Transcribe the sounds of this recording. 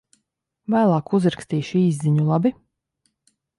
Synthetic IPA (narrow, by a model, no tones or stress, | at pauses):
væːlˠɑːkuzɾakst̪iːʃiːzziɲulˠabi